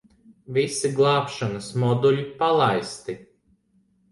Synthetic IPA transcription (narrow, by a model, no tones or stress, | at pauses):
visiɡlˠɑːpʃanɐsmɔd̪ulʲipalˠajst̪i